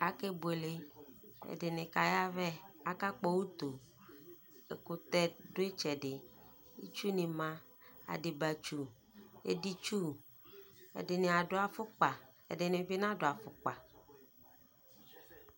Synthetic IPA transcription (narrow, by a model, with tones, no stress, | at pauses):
a˨ke˦bo˨e˨le˦ḛ˨de˨nɪ̃˨ka˨ja˦vɛ˦a˨ka˦k͡pɔ˦wu˦t̪o˨ | ḛ˨ko˨t̪ɛ˦do˦e˦t͡ʃɛ˨ɖɪ˨ | i˦t͡ʃu˦nĩ˨mã˨ | a̰˨ɖi˨ba˨t͡ʃu˦ | ḛ˦di˦t͡ʃu˦ | ḛ˨dɪ˨nẽ˨a˨ɖo˦a˨fʊ˦k͡pa˨ | ḛ˨ɖɪ˨nẽ˨be˦nã˦ɖo˨a˨fʊ˨k͡pa˨